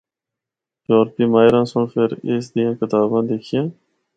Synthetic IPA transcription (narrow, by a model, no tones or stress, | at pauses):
joːɾpiːmaːɪɾãːsʊɳfeɾeːsd̪ɪjãːkɪt̪aːbãːd̪eːkʰijãː